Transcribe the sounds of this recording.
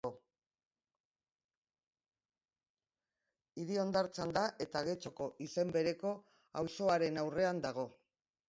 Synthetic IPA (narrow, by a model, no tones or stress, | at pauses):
o | iɾio̞nd̪aɾt͡sand̪aʔe̞t̪aɣ̞e̞t͡so̞ko̞ʔise̞mbe̞ɾe̞ko̞ | awso̞aɾe̞nawre̞and̪aɣo̞